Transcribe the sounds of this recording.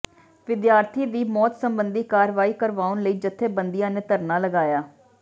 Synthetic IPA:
ʋɪd̪jaːɾt̪ʰiːd̪iːmɔːt̪səmbənd̪iːkaːɾʋaːiːkəɾʋaːʊnləiːd͡ʒət̪ʰːeːbənd̪ijãːneːt̪əɾnaːləɡaːjaː

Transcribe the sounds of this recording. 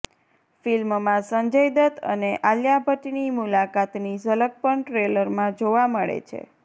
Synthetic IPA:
filmmãsəɲd͡ʒəjd̪ət̪ə̰neʔaljabʱəʈinimulakat̪nisələk̚pəɳʈɾeləɾmãd͡ʒoʋaməɭḛt͡ʃʰḛ

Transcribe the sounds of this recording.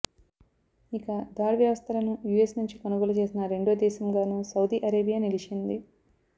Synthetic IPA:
ikɐd̪aːɾʋjɐʋɐst̪ʰɐlɐnujuesnuɲt͡ʃikɐnuɡolɐt͡ʃe̞ːsinɐɾe̞ɳɖoːd̪ɛːʃɐmɡaːnuːsɐwd̪iːʔɐɾeːbijaːnilit͡ʃind̪i

